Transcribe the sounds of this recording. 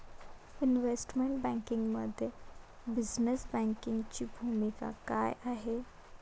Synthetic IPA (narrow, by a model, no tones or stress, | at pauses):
ɪnʋeːsʈmeɳʈbɛ̃ːŋkɪ̃ŋɡmɐd̪ʱjə | bɪznəsbɛ̃ːŋkɪŋɡt͡ɕibʱuːmika̰kaːjʔaːɦeː